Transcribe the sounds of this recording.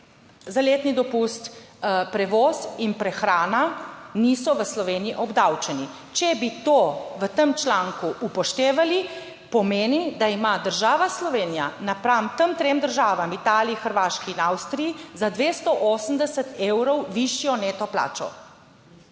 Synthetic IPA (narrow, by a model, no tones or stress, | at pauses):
zaleːt̪nid̪ɔpust̪ | pɾɛʋɔːsinpɾɛxɾaːnaniːsɔʋəslɔʋeːniiʔɔbd̪awt͡ʃɛni | t͡ʃɛbit̪oʋət̪əmt͡ʃlaːŋkuʔupɔʃt̪eːʋali | pɔmeːnid̪aimad̪əɾʒaːʋaslɔʋeːnija̰napɾamt̪əmt̪ɾemd̪əɾʒaːʋamit̪aːliixəɾʋaːʃkiːnawst̪ɾijizad̪ʋeːst̪ɔʔoːsəmd̪ɛsət̪ewɾɔwʋiʃjɔneːt̪ɔpla̰ːt͡ʃɔ̰